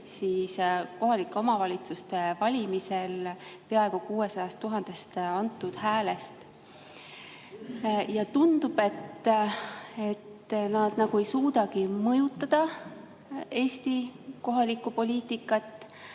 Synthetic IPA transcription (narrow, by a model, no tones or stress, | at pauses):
siːsko̞ɦɑlikːˑeo̞mɑvɑlʲit̪sust̪e̞vɑlʲimise̞lpeɑe̞ɡ̥ukuːe̞sɑjɑst̪ːuɦɑnd̪̥e̞st̪ɑnt̪ːˑud̪̥hæːle̞st̪ | jɑt̪und̪̥ub̥e̞t̪ː | e̞t̪nɑd̪̥nɑɡ̥ue̞jsuːd̪ɑkimɤjut̪ˑːɑd̪̥ɑ | e̞ːsʲt̪iko̞ɦɑlikːˑupo̞lʲiːt̪ikːˑɑt̪ːˑ